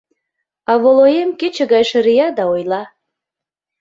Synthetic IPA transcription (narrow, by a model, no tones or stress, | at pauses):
ɑβolojemket͡ɕĕɡɑjʃə̆ɾijɑd̪ɑojlɑ